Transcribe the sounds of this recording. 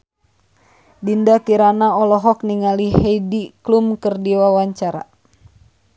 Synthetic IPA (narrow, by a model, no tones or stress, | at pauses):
dindakiɾanaɔlɔɦɔkniŋaliheidiklumkɨrdiwawaɲt͡ʃaɾa̰